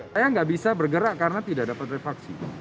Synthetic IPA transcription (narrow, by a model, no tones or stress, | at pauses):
ajaŋɡaʔbisabərɡəɾaʔkarənat̪idaʔdapat̪refaksi